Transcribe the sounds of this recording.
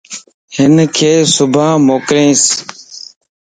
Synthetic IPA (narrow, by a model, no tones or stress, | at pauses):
hɪnkʰeːsʊbʱaːmoːkɾẽːs